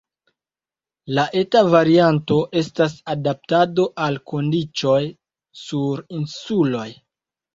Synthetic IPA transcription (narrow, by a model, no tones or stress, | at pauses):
laʔe̞tavaɾianto̞ʔe̞stasadap̚tado̞ʔalko̞ndit͡ʃo̞j | suɾinsulo̞j